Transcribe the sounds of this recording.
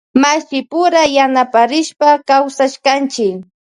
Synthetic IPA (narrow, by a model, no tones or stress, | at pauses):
masɪpʊɾajanapaɾɪʃpakawsaʃkant͡ʃɪk